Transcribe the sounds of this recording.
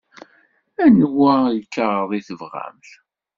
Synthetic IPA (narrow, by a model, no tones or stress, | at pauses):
ænwæjəkːəʁðˤiθəvʁæ̰mθ